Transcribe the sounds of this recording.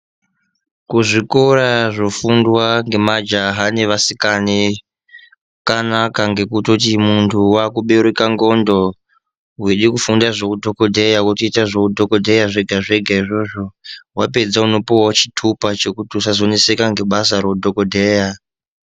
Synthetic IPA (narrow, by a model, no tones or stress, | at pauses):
kuʐikoɾaʐo̞fundwaŋɡe̞mad͡ʒaɦane̞ʋasikani | kanakaŋɡe̞kutotimuntʰuwakuɓe̞ɾekaŋɡo̞ndo | ɦweɗikufundaʐokudʱo̞ko̞dʱejawutiitaʐokudʱo̞kodʱejaʐe̞ɡʱaʐe̞ɡʱaiʐo̞ʐo̞wape̞d͡zauno̞powat͡ʃitʰupat͡ʃe̞kutiusazo̞nise̞kaŋɡe̞ɓasaɾoudʱokodʱe̞ːja